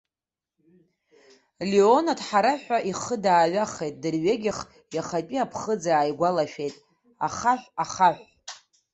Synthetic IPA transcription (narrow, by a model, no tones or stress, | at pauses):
lio̞nadħaɾaħʷᶣaʔiχədaːɥaχejtʼdɨrɥeɡʲɪχ | jaχapʼiapʰχəd͡zaaːjɡʷalaʃᶣe̞jtʼ | aχaħʷaχaħʷ